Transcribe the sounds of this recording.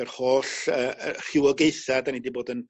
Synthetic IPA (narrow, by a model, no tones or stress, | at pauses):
ərhoːɬəːr̥ɪwɔɡejθadanidiboːdən